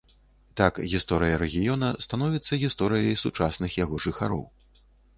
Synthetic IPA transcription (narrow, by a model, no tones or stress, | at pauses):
t̪akɣʲist̪ɔɾɨjɐɾɛɣʲijɔnɐst̪anɔvʲit̪sːɐɣʲist̪ɔɾɨjɐjsut͡ʂasnɨxjaɣɔʐɨxa̰ɾɔ̰w